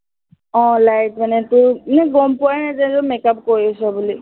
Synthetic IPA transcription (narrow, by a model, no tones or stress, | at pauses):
ɔ̃lajtmanɛtʊnɛɡɔmpʊanazazɔmekap̚kojɔsɔbuli